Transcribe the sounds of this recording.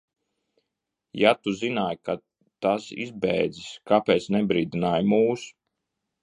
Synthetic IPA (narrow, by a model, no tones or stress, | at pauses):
jat̪uzinaːjka | t̪asḭzbɛjd̪ziskapɛːt̪snɛbɾiːd̪inaːjmuːs